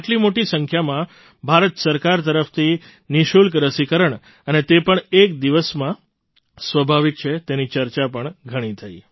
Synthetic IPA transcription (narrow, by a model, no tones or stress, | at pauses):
ʈlimoʈisəŋkʰjamã | bʱaɾət̪səɾkaɾt̪əɾəft̪ʰi | niʃulkɾəsikəɾəɳ | ənet̪epəɳek̚d̪iʋəsmã | sʋəbʱaʋik̚t͡ʃʰet̪enit͡ʃəɾt͡ʃapəɳɡʱəɽ̃it̪ʰaj